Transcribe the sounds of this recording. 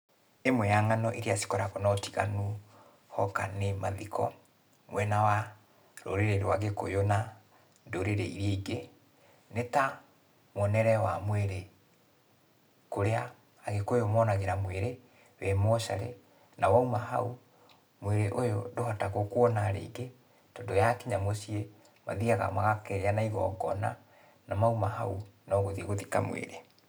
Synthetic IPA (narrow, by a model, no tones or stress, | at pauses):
emwɛaŋanɔʔeɾiasi̥kɔɾaɣɔnɔtiɣanu | hɔkanemaðikʰɔ | mwɛnawa | ɾo̰ɾeɾeɾoaɣeko̰jona | doɾeɾeḭɾeɡe | neta | mɔnɛɾɛwa̰mweɾe | koɾeaː | ɣekojomɔnaɣeɾamweɾe | wɛmɔʃa̰ɾḛ | nawaumaɦa̰u | mweɾeʔojodohataɣokwɔnaɾḛiɡe | tɔndojakeɲamosie | ma̰ðiaɣa̰maɣakɛjanaiɣɔ̰ːɡɔ̰na̰ | namaumahaunɔɣoðieɣoðika̰mwḛɾe